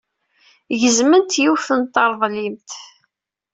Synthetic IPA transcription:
ʝəzmənt̪juθənt̪ːɑɾˤðˤlimt̪

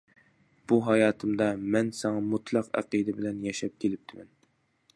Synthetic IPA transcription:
b̥uɦɑjɑːt̪ʰɨmd̪ɑmɛnsɑŋɑmut̪ʰlˠɑqæ̰qid̪ɪbɪlɛnjɛʃɛp̚kʲʰelɪp̚t̪ʰɪmɛn

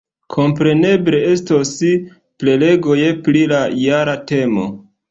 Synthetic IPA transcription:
kʰo̞mpɾe̞ne̞ble̞e̞stosi | ple̞le̞ɡo̞je̞pɾilajaɾate̞mo̞̰

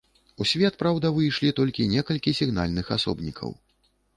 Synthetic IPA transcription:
usʲvʲɛt̪pɾawd̪ɐvɨjʂlʲit̪ɔlʲkʲinʲɛkɐlʲkʲisʲiɣna̰lʲnɨxasɔ̰bnʲikʰɐ̰w

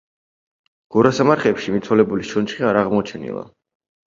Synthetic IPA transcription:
ɡ̥uɾasamaɾχɛpʃimit̪sʰwɔlɛbuliʃʰɔnt͡ʃχiaɾaʁmɔt͡ʃʰɛnḭlˠa̰

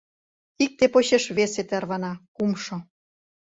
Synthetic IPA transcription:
ik̚t̪epoɕeʃβeset̪ærβɑnɑkumʃo

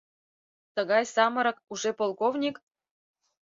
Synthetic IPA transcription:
t̪ə̆ɣɑjsɑmɤ̆ɾɤ̆k̚uʒepolˠkovnʲik

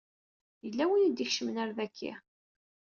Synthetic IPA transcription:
jəlːæwijid̪ixʃəmnæɾðækʰːḭ

